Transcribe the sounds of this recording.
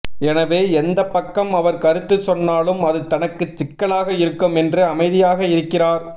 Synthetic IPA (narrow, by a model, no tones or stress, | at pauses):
ɛnɐʋeːɛnd̪ɐpːɐkːɐmɐʋɐɾkɐɾɯt̪ːɯt͡ʃːɔnːaːlɯmɐðɯt̪ɐnɐkːɯt͡ʃːɪkːɐɭaːɣɐɪɾɯkːɯmɛndrɯɐmɐɪðɪjaːɣɐɪɾɯkːɪraːɾ